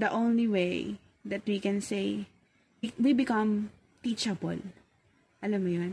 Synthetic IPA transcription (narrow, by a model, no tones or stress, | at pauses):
d̪ɐʔõwnliwej | d̪ɐt̪wikɛ̃nsej | iwibɪkɐ̃m | t̪it͡ʃɐbɔ̰l | ʔɐlamːʊjon